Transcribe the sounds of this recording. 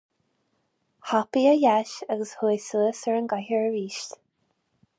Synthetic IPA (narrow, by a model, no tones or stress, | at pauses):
hapiəjaʃaɣəshujsuəsəɹənɡahəɹəɹiːʃt̪